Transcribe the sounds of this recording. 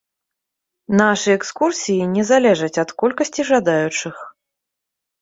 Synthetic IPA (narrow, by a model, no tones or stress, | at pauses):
naʂɨjɛkskursʲijinʲɛzalʲɛʐɐt͡sʲɐt̪kɔlʲkɐsʲt͡sʲiʐad̪ajut͡ʂɨx